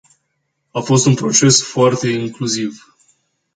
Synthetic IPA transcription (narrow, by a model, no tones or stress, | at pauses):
afo̞st̪unpɾo̞t͡ʃe̞sfoart̪e̞iŋkluziv